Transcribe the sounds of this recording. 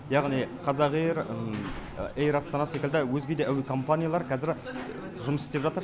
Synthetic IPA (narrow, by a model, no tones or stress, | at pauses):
jɑʁnijqʰɑzɑʁejɾə | ejɾɑst̪ɑnɑsekʲɪld̪ɪwɵzɡʲed̪eʔæwɪkʰo̞mpanʲijalˠɑɾkʲʰæzɪɾ | ʒʊməsɪst̪e̞pʒɑt̪əɾ